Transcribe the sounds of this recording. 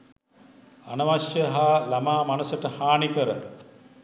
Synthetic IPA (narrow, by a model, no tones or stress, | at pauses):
anɐʋaʃjəɦaːlamaːmanusəʈəhaːnikəɾə̰